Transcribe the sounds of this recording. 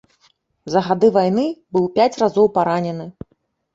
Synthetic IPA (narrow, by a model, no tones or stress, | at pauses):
zɐɣad̪ɨvajnɨbɨwpʲat͡sʲrazɔwpaɾanʲɛnɨ